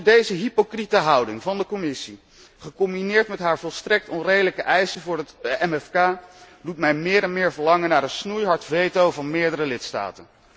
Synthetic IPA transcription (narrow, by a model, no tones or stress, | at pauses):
dejzəɦipokritəɦɑwdɪŋvɑndəkɔmɪsi | χəkɔmbinɪːɹtmɛtɦaːɹvɔlˠstrɛk̚tɔnrejdələkəʔɛjsəvʊːɹətɛmɛfkaː | dutmɛjmɪːɾɛnmɪːɹvəɹlɑŋənːaːɹənsnujɦɑɹtvejtowvɑnmɪːɹdəɾəlɪtsta̰ːtən